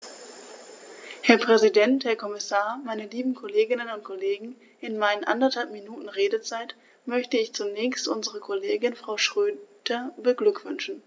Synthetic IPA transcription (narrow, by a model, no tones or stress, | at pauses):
hɛɐpʁ̥ɛzidɛnthɛɐkʰɔmɪsaːɐmaɪnəliːbm̩kʰoleːɡɪnənʊnt̚kʰoleːɡŋ̩ | ʔɪnmaɪnənʔa̰ndɐthalpminuːtn̩ʁeːdət͡saɪt | mœçtəɪçt͡sunɛːçstʔʊnzəʁəkʰoleːɡɪnfʁ̥aʊʃʁ̥øːd̥ɐbəɡlʏkv̥ʏnʃn̩